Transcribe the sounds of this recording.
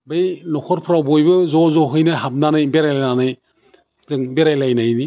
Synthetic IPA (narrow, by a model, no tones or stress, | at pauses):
bɯjnɔkʰɔɾpʰɾawbɔjbɯzɔzɔɦɯjnɯɦab̚nanajbeɾajlananaj | zɯŋbeɾajlajnajni